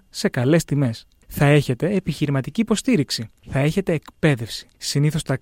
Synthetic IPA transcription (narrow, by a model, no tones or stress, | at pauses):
se̞kɐle̞st̪ime̞s | θɐe̞çe̞t̪e̞ːpiçiɾimɐt̪iciːpo̞st̪iɾiksiθɐe̞çe̞t̪e̞ːkpe̞ðe̞fsi̥siniθo̞st̪ɐk